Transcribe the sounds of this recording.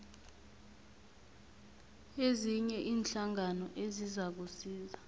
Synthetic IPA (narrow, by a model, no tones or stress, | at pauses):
eziɲɛʔiːnɬaŋanɔʔezizak̬usiːza